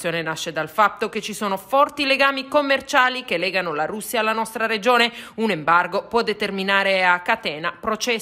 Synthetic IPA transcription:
joːnenaʃːed̪alfat̪ːoket͡ʃːisoːnofɔrt̪ileɡaːmikomːert͡ʃaːlik̟elːɛːɡanolaɾusːjaːlːanɔst̪ɾaɾed͡ʒoːneunembarɡopwɔd̪ːet̪erminaːɾeakːat̪ɛːnapɾot͡ʃɛ

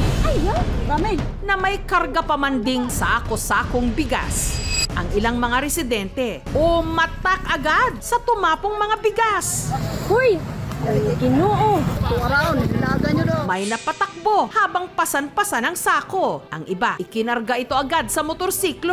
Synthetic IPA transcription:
ɐjoɾamɛ | nɐmɐjkɐɾɡɐpɐmand̪ɪŋsakosaːkoŋbɪɡa̰sʔɐŋɪlaŋmɐŋaɾɛsɪd̪ɛnt̪ɛ | ʔʊmɐt̪akɐɡad̪̚sɐt̪ʊmaːpoŋmɐŋabɪɡashʊj | ɡɪnoːʔot̪oŋɐɾaonɐlaːɡɐɲod̪omɐjnɐpɐt̪ɐk̚bo̞haːbɐŋpɐsɐnpɐsanɐŋsaːkoʔɐŋʔɪbaʔɪkɪnɐɾɡaʔɪt̪o̞ʔɐɡad̪̚sɐmot̪oɾsiːklo

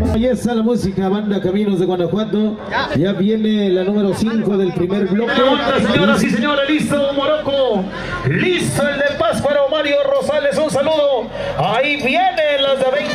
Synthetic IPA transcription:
ajesalamusikaβand̪akamĩnozðeɣwand̪okwand̪o | ʝaβjenelanumeɾosiŋkoðe̞lpɾimeɾβlokeand̪aseɲɾasiseɲoɾalist̪omoɾoko | list̪oeld̪elpaspaɾomaɾjorosale̞s̬unsaluðo | aiβjenelad̪aβe

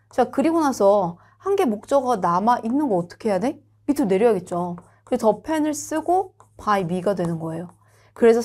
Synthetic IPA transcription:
t͡ɕakɯɾiɡonasʰʌ | hanɡe̞mok̚t͡ɕ͈ʌɡanamaʔinːɯnɡʌːt͈ʌ̥kʰe̞ɦjade̞ | itʰune̞ɾjʌjaɡe̞t̚t͡ɕ͈o | kɯɾtʌpʰe̞nɯɭs͈ɯɡopʰaimiɡadwe̞nɯnɡʌe̞jo | kɯɾe̞sʰʌ

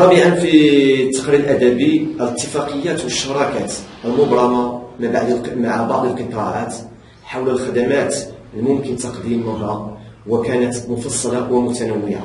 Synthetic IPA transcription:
t̪ˤɑbiʕanfit̪ːɑ̥qɾiəlʔæd̪æbiələt̪ːəfɑqəjːæt̪wəʃːɑɾˤɑkæt̪ʔəlmʊbɾˤɑmɑmabaʕd̪maʕbɑʕd̪ˤəlqət̪ˤɑʕa̰t̪ | ħawləlxæd̪æmæt̪ | lmʊmkənt̪ɑqd̪imːərːɑ | wəkænət̪mʊfɑsˤːɑlɑwəmʊt̪ænəwːɪʕa̰

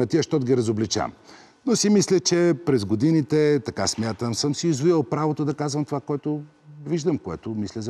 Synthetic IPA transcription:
ɐt̪iəʃt̪ɔt̪ɡʲiɾɐzoblit͡ʃa̰m | nosimislʲət͡ʃɛpɾɛzɡod̪init̪ɛt̪ɐka̰smʲjat̪əmsəmsiːzvuəlˠpɾavot̪od̪ɐkazvɐmt̪ovakoɛt̪o | viʒd̪əmkoɛ̰t̪omislʲəz

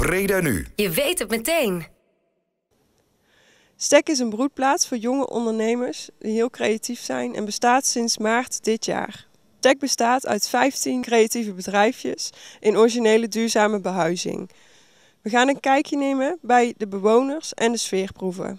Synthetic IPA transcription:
brejdəny̰jəʋejtət̚mətejn | stɛkɪs̬ənbrut̚plaːtsfʊːɹjɔŋə̰ʔɔ̰ndəɹnejməɹsdiɦɪːlˠkrejatifsɛ̰jnʔɛ̰nbəstaːtsɪnsmaːɹtdɪtja̰ːr | stɛɡ̚bəstaːtœ̰ɥtfɛjftinkrejativəbədrɛjfjə̰sʔɪnɔɹiʒinejlədyːɹzaːməbəɦœɥzɪ̰ŋ | ʋəɣaːnənkɛjkjənejməbɛjdəbəʋownəɹsɛndəsfɪːɹpruvə̰

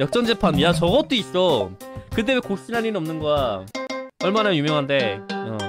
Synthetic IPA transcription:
jʌk̚t͡ɕ͈ʌŋd͡ʑepʰanjat͡ɕʌɡʌt͈ois͈okɯt̬͈emekoɕ͈inaninɯʌmnɯnɡʌa | ʌɭmanajumjʌŋɦande̞ʌ

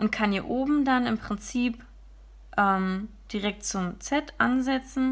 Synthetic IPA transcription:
ʔʊntkʰanjiːɐʔoːbm̩danɪmpʁ̥ɪnt͡siːp | ʔɛmd̥iʁɛk̚t̚t͡sʊmt͡sɛtʔa̰nzɛt͡sn̩

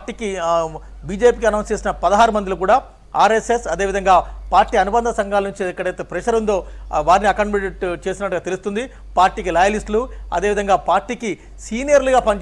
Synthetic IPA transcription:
ʈiːki | biːd͡ʒe̞ːpiːkiɐnɐw̃nst͡ʃe̞ːsinɐpɐd̪ɐɦaːɾumɐnd̪ilɐkuːɽaː | aːɾesesɐd̪e̞ːʋid̪ʱɐŋɡaːpaːɾʈːiːɐnubɐnd̪ʱɐsɐŋɡaːlɐnuɲt͡ʃiikːɐɽɐjt̪epɾɐʃɐɾunt̪o̞ːʋaːɾiniɐkɐɳmeɖeʈt͡ʃe̞ːsinɐʈːuɡaːt̪elust̪und̪i | paːɾʈiːkilɐjɐlisʈluɐ̰d̪e̞ːʋid̪ɐŋɡaːpaːɾʈiːki | siːnijɐɾluɡaːpɐɲt͡ʃ

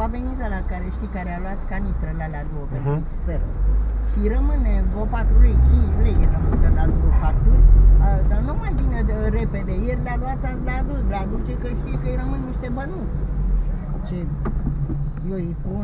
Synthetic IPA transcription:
avenit̪alakaɾeʃt̪ikaɾealuat̪kanist̪ɾəlalead̪uwopenueksperʃiɾəmɨnevopat̪ɾuɾejt͡ʃint͡ʃlejerəmɨnd̪əlad̪uopat̪uld̪anumajbineɾeped̪ejerʲlaluat̪alad̪ulad̪ut͡ʃekəʃt̪ijekəjɾəmɨnniʃt̪e̞bənusʲ | t͡ʃe | joipun

